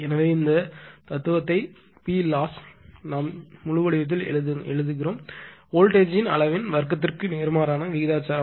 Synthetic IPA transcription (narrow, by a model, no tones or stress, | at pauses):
ɛnɐʋeːɪnd̪ɐt̪ɐt̪ːɯʋɐt̪ːɐɪ | piːlaːsnaːmːʊɻʊʋɐɽɪʋɐt̪̬ːɪlɛ̰ɭɯðɯɛɻɯðɯɣɪɾoːmoːlʈeːd͡ʒɪnɐ̰ɭɐʋɪnʋɐɾk̬ːɐt̪̬ːɪrkɯneːɾɯmaːɾaːnɐʋɪɣɪðaːt͡ʃːaːɾɐ